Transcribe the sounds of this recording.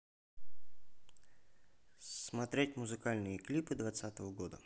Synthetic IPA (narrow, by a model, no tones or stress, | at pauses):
smat̪ɾʲetʲmʊzɨkalʲnɨjəklʲipɨd̪vat̪sat̪əvəɡɔd̪ə